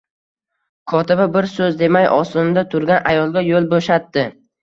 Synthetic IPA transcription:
kʰɒt̪ʰɪbabɪɾsɵzd̪e̞majʔɒ̰sɪd̪at̪ʰʊɾɡʲanʔajɒlˠɡʲajolˠboʃat̪ːɪ

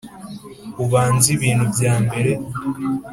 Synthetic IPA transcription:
uβaːnziβiːnhubjaːmbe̞ɾe̞

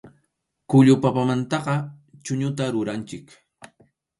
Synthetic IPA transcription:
kʊʎʊpapamant̪ɑqɑ | t͡ʃʊɲʊt̪aɾʊɾant͡ʃɪk

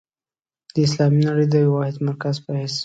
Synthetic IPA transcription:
d̪̥əɪslɑminaɽəjd̪əjwɑhɪd̪maɾkazpəhes

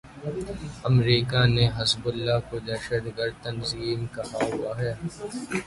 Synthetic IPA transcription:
ɐmɾiːkaneɦɐsbʊlːakod̪ɐɾʃəd̪ɡəɾd̪̚t̪ɐnziːmkɐɦaɦʊaɦɛː

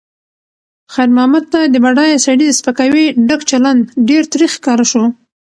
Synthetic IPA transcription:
xajɾmʊhamad̪̚t̪ad̪əbaɖɑjsaɽid̪əspakawiɖəkt͡ʃaland̪ɖeɾt̪ɾixkɑɾaʃo

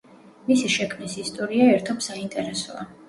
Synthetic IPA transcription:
misiʃɛkʰmnisist̪ʼɔɾiaɛɾt̪ʰɔbsaint̪ʼɛɾɛsɔ̰a̰

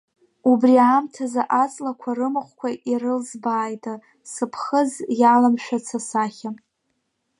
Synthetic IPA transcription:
ubriaːmtʰazaʔat͡sʼlakʷʰarɨmɨχʷkʷʰaʔirɨlzbaːjtʼa | sɨpʰχəzjalamʃʷᶣat͡sʰasaχʲa

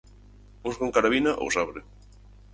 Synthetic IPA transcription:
uskoŋkaɾaβinaʔo̰wsaβɾe

